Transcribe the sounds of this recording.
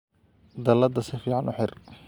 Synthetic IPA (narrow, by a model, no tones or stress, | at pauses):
d̪ɐlɐd̪ɐsɪfiːʕɑnʔʊħɪr